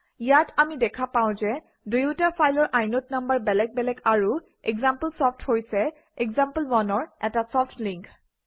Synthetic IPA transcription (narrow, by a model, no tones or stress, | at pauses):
ijatamidɛkʰapaw̃zɛ | dujʊtapʰajlɔɹʔajnot̚nambaɹbɛlɛk̚bɛlɛkaɹu | ɛɡzampəlsɔptʰhojsɛ | ɛkzampəlwɔnɔɹɛtasɔpʰtʰliŋk